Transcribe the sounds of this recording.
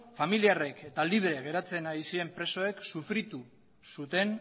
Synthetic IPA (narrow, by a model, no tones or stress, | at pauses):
familiare̞ke̞t̪aliβ̞ɾe̞ɣ̞e̞ɾat͡se̞naisie̞mpɾe̞so̞e̞ksufɾit̪u | sut̪e̞n